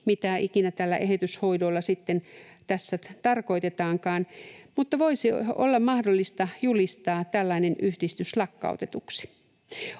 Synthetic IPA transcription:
mit̪æikinæt̪ælːæ̰ʔehet̪yshoidolːɑsit̪ːen | t̪æsːæt̪ɑrko̞it̪et̪ɑːŋkɑːnmut̪ːɑʋoisio̰lːɑmmɑhdolːist̪ɑjulist̪ɑːt̪ælːɑinenʔyhdist̪yslɑkːɑ̰ut̪et̪uksi̥

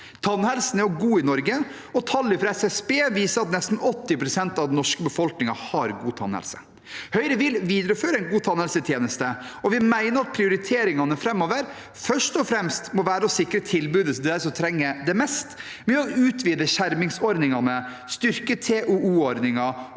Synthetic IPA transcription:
t̪ʰɑnhɛlsn̩æɾjʊɡuːɪnɔɾɡə | ɔt̪ʰɑlːɪfɾɛsɛsbeːʋiːsəɾɑt̪nɛst̪n̩ɔt̪ːɪpʰɾʊsɛnt̪ɑʋd̪ɛnɔʂkəbəfɔlknɪŋɑhɑɾɡuːt̪ʰɑ̰nhɛ̰lsə̰ | hœʏɾəʋɪlʋiːd̪əɾəføːɾəɛnɡuːt̪ʰɑnhɛlsət̪ʰjeːnəst̪əɔʋɪmæɪnəɾɑt̪̚pʰɾɪʊɾɪt̪ʰeːɾɪŋɑnəfɾɛmːoːʋəɾ | fœʂtɔfɾɛmst̪mɔʋæːɾəɔsɪkːɾət̪ʰɪlbʉːd̪ət̪ʰd̪ɛd̪æɾsɔt̪ʰɾɛŋːəd̪ɛmɛst̪ | mɛɔʉːt̪ʰʋiːd̪əɕæɾmɪŋsɔɾd̪ɪŋɑnə | st̪ʏɾkət̪ʰeʔʉuːɔɾd̪nɪŋɑ

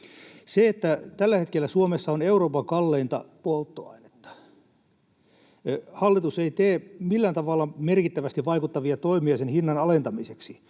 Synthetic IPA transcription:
seet̪ːæt̪ælːæhet̪kelːæsuomesːɑoneuɾoːpɑkɑlːeint̪ɑ̰polt̪ːoɑ̰ine̥t̪ːɑ̥ | hɑlːit̪useit̪eːmilːænt̪ɑʋɑlːɑmerkit̪ːæʋæst̪iʋʋɑikut̪ːɑʋiɑt̪oimiɑsenhinːɑnɑlent̪ɑmiseksi

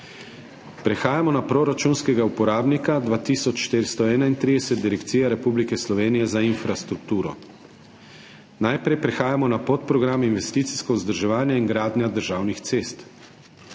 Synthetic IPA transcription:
pɾɛxaːjamɔnapɾoɾat͡ʃunskɛɡaupɔɾaːbnikad̪ʋaːt̪iːsɔt͡ʃʃt̪eɾst̪ɔɛːnaint̪ɾiːd̪ɛsɛt̪̚d̪iɾɛkt̪siːjaɾɛpublikɛslɔʋeːnijɛzainfɾast̪ɾuk̚t̪uːɾɔ̰ | najpɾɛjpɾɛxaːjamɔnapot̪pɾɔɡɾaːminʋɛst̪iːt̪si̥skɔuzd̪əɾʒɛʋaːnjaiŋɡɾaːd̪nʲad̪əɾʒaːwnixt̪seːst̪

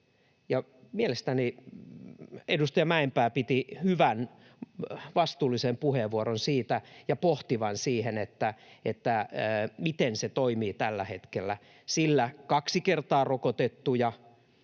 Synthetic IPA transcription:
jɑmielest̪æni | edust̪ɑjɑmæempæːpit̪ihyʋæn | ʋɑst̪uːlːisempuheʋʋuoɾonsiːt̪æjɑpoht̪iʋɑnsiːhenet̪ːæet̪ːæmit̪enset̪oimiːt̪ælːæhet̪kelːæ | silːækɑksikert̪ɑːrokot̪et̪ːujɑ

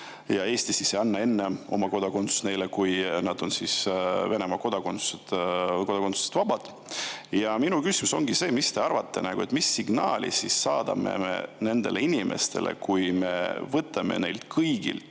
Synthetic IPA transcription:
jɑe̞ːst̪isiseɑnːɑe̞nːeo̞̰mɑko̞d̪ɑko̞nt̪su̥sne̞jlekujnɑd̪̥o̞nsisve̞nemɑko̞d̪ɑkonsu̥set̪kod̪ɑkonsu̥se̥t̪vɑb̥ɑd̪̥ | jɑminukysimuso̞ŋɡ̥ise̞ːmist̪e̞ɑrvɑt̪ːe̞næɡ̥ue̞t̪misːiɡnɑ̰ːlʲḭsisːɑːd̪̥ɑ̰me̞̰mḛne̞nd̪e̞le̞inimʔe̞̰st̪e̞̰lʔḛkujme̞̰vɤt̪ːˑɑme̞̰ne̞jlt̪kʰɤjɡḭlt̪

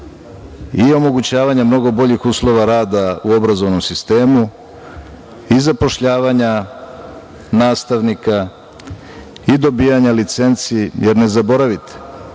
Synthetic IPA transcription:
io̞mo̞ɡut͡ɕaːʋaɲamno̞ɡo̞bo̞ʎixuːslˠo̞ʋaɾaːd̪auo̞bɾazo̞ʋno̞msist̪eːmu | izapo̞ʃʎaːʋaɲa | naːst̪aʋnika | id̪o̞biːjaɲalit̪se̞nt̪sijeɾne̞zabo̞ɾaʋit̪e̥

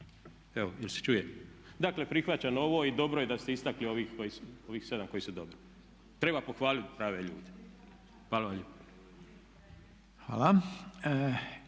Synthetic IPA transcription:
eʋoilse̥t͡ʃuːjemd̪akle̞pɾixʋat͡ɕano̞ʋoːid̪o̞bɾoje̞d̪ast̪eist̪aklioʋixko̞jisuo̞ʋiːxse̞d̪amko̞jisud̪o̞bɾi̥ | t̪ɾe̞bapoxʋaːlit̪ʲpɾaːʋeʎṵːd̪e | xʋaːlaali | xʋa̰ːla

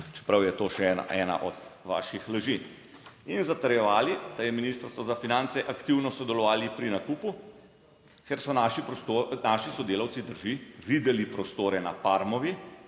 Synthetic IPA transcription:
t͡ʃɛ̥pɾawjɛt̪oːʃɛɛːna̰ʔɛːna̰ʔɔ̰d̪ʋa̰ːʃixləʒi | inzat̪ɐɾjɛʋaːlid̪̥ajɛminiːst̪əɾst̪ʋɔzafinant̪sɛʔakt̪iwnɔsɔd̪ɛlɔʋaːlipɾinakuːpu | kɛɾsɔnaʃipɔst̪onaʃisɔd̪eːlawt̪sid̪əɾʒiʋid̪ɛlipɾɔst̪oːɾɛna̰paːɾmɔʋi

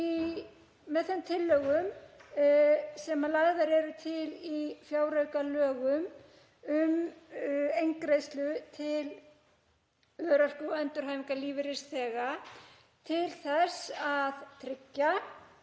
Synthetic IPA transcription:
i | mɛðθɛmt̪ʰɪlːœɣʏm | sɛmalaɣðaɾɛɾʏt̪ʰɪlifjaːwɾœɥkalœːɣʏm | ʏm | ejŋkɾejst̪lʏt̪ʰɪl | œːɾar̥kʏɛnt̪ʏɾhɦajmɪŋkaliːvɪɾɪsθɛːɣa | t̪ʰɪlθɛsaðt̪ʰɾɪcːa

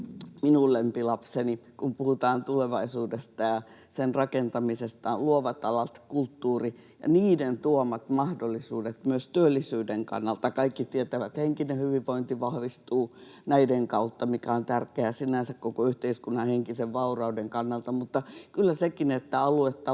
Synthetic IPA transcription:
minulːempilɑpsenikumpuhut̪ɑːnt̪uleʋɑisuːdest̪ɑjɑsenrɑkent̪ɑmisest̪ɑlluoʋɑt̪ɑlɑt̪kult̪ːuːrijɑ̰niːdent̪uomɑt̪mɑhdolːisuːdet̪myøst̪yølːisyːdeŋkɑ̰nːɑlt̪ɑkɑikːit̪iet̪æʋæt̪heŋkinehyʋiʋʋoint̪iʋɑhʋist̪uː | næideŋkɑut̪ːɑmikæont̪ærkeæsinænsækkokoyht̪eiskunːɑheŋkiseʋʋɑurɑudeŋkɑnːɑlt̪ɑmut̪ːɑkylːæsekinet̪ːæɑluet̪ːɑ

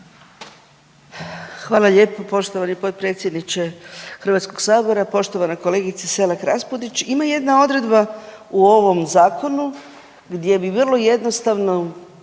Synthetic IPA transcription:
xʋaːlaʎe̞ːpopo̞ʃt̪oʋanipo̞t̪̚pɾe̞ːt̪sjed̪nit͡ɕexr̩ʋat̪sko̞ɡ̥saːbo̞ɾapo̞ʃt̪o̞ʋanako̞le̞ːɡit̪sese̞lakɾaspud̪it͡ʃimaje̞d̪nao̞d̪ɾe̞d̪bauo̞ʋo̞mzaːkʰo̞nu | ɡd̪je̞biʋrlˠo̞je̞d̪nost̪aʋno̞

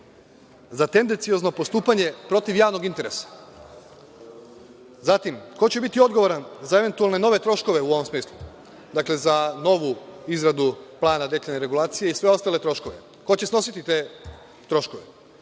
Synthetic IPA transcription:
zat̪end̪ent̪sijozno̞po̞st̪uːpaɲe̞pɾo̞t̪iʋjaːʋno̞ɡint̪e̞ɾe̞sḁ | zat̪imko̞t͡ɕe̞bit̪io̞d̪ɡo̞ʋoɾanzae̞ʋe̞nt̪ualˠne̞no̞ʋe̞t̪ɾo̞ʃko̞ʋe̞uoʋo̞msmiːslˠu | d̪akle̞zano̞ʋuizɾad̪uplˠaːnad̪e̞ʎeneɾe̞ɡulˠaːt̪sijeisʋe̞o̞st̪alet̪ɾo̞ʃko̞ʋe̞ | ko̞t͡ɕe̞sno̞sit̪it̪eː | t̪ɾo̞ʃko̞ʋe

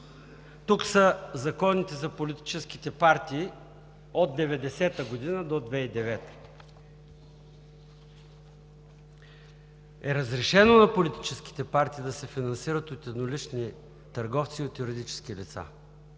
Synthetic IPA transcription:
t̪uksəzɐkɔnit̪ɛzɐpolit̪i̥t͡ʃɛsk̟it̪ɛpaɾt̪iː | od̪̚d̪ɛvɛd̪ɛsɛt̪əɡod̪inəd̪od̪vɛid̪ɛvɛt̪ə̥ | ɛɾəzɾɛʃɛnonɐpolit̪i̥t͡ʃɛsk̟i̥t̪ɛpaɾt̪iːd̪ɐsɛfinɐnsiɾət̪ot̪ɛd̪nolit͡ʃni | t̪ɐɾɡɔft̪siot̪juɾid̪it͡ʃɛ̥sk̟ilit̪sa̰

